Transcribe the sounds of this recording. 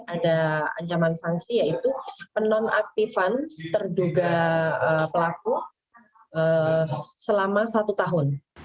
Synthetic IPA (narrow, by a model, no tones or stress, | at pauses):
adaa̰ɲt͡ʃamansaŋsijait̪upənana̰k̚t̪ifant̪ərduɡaəpəlak̚u | ə | səlamasat̪ut̪aɦʊn